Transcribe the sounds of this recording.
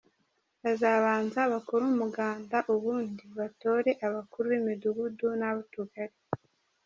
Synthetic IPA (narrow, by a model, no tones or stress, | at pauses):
βazaβaːnzaβakoɾumuɡaːndaʔuβuːndiβato̞ːɾe̞ʔaβakuɾuβimiduɡudunaβatuɡaɾi